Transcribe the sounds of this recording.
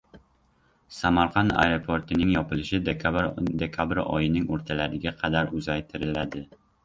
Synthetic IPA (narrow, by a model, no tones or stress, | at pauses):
samaɾqʰɑna̰jɾopʰo̞ɾt̪ʰɪnɪŋjɒpɪlɪʃɪd̪ed̪e̞kʲʰabɾɒ̰jɪnɪŋoɾt̪ʰalaɾɪɡʲaqʰɑd̪aɾʊzajt̪ʰɪɾɪlad̪ɪ